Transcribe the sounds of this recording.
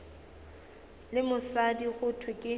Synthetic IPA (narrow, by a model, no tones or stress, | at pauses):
lɪmʊsadiɣʊtʰwɪkʼɪ